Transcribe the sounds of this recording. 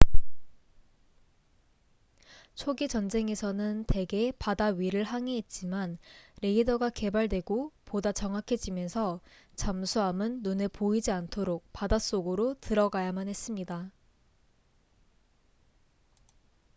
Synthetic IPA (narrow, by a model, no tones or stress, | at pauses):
t͡ɕʰoɡit͡ɕʌnd͡ʑe̞ŋe̞sʰʌnɯnte̞ɡe̞padaɥiɾɯɭɦaŋeit̚t͡ɕ͈imanɾe̞idʌɡake̞baɭdwe̞ɡopodat͡ɕʌŋɦakʰe̞d͡ʑimjʌnsʰʌ | t͡ɕamsʰuɦamɯnːunepoid͡ʑiantʰoɾok̚padas͈oɡɯɾotɯɾʌɡajamanhe̞s͈ɯmɲida